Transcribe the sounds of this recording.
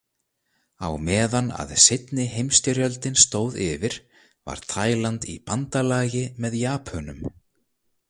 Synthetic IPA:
a̰wmɛːðana̰ðsɪt̪nɪɦejmst̪ʏɾjœlt̪ɪnst̪oːwðɪvɪɾ̥ | va̰ɾ̥t̪ʰaːjlant̪ḭpant̪alaːjɪmɛðjaːpʰœnʏm

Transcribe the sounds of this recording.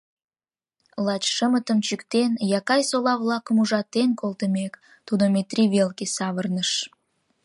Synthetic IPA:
lɑt͡ɕʃəmət̪əmt͡ɕykt̪enjɑkɑjsolɑβlɑkəmuʒɑt̪enkolˠt̪əmek | t̪ud̪omet̪rʲiβelkesɑβərnəʃ

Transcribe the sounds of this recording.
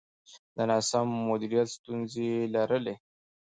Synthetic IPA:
d̪ənɑsamːʊd̪iɾijat̪st̪unzelaɾəle

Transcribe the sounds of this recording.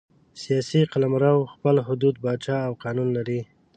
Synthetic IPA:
sijɑsiqalamɾawxpəlɦʊd̪ud̪̚bɑt͡ʃɑawqɑnunlaɾi

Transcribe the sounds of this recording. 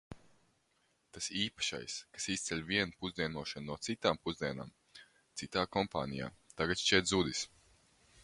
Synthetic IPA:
t̪asiːpḁʃa̰jskḁsist̪sʲɛlʲviɛnpuzd̪iɛnuɔʃannuɔt̪sit̪aːmpuzd̪iɛna̰ːm | t̪sit̪aːkɔmpa̰ːnija̰ːt̪aɡat̪ʃt͡ʃɛt̪zud̪is

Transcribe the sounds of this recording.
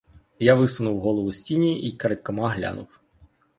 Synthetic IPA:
jaʋɪsʊnuwɦɔlˠɔʋʊsʲtʲinʲiʔikɐɾɐtʲkɐmɑɦlʲa̰nʊw

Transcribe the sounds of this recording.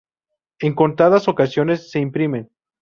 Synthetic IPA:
e̞ŋko̞nt̪aðaso̞kasjo̞ne̞sːe̞impɾime̞n

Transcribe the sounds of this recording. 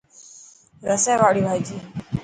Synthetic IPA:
ɾəsajʋaɽiːbʱajd͡ʑiː

